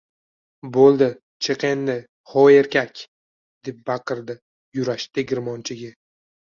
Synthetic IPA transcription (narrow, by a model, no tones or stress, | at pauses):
bolˠd̪ɪ | t͡ʃʰeqenːɪ | χɒeɾkʲakʲ | d̪̥e̞p̚bɑqɨɾd̪ɪ | jʊɾaʃt̪ɪɡʲɪɾmɒnt͡ʃʰɪɡʲɪ